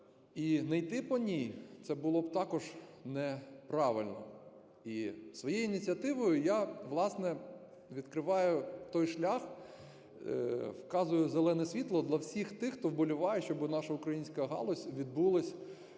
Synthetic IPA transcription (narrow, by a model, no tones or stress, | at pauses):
inɛjt̪ɪpɔnʲijt̪sɛbʊlˠɔbt̪ɑkɔʒnɛpɾɑʋɪlʲnɔ̰ | isʋɔjɛjinʲit͡sʲiɐt̪ɪʋɔjʊjaʋlˠɑsnɛ | ʋʲid̪kɾɪʋɑjʊt̪ɔjʃlʲax | wkɑzʊjʊzelˠɛnɛsʲʋʲit̪lˠɔd̪lʲˠɐwsʲixt̪ɪxt̪ɔwbɔlʲʊʋɑjɛʃt͡ʃɔbɪnɑʃɐʊkɾɐjinʲsʲkɐɦɑ̰lˠɔsʲʋʲid̪̚bulˠɐsʲ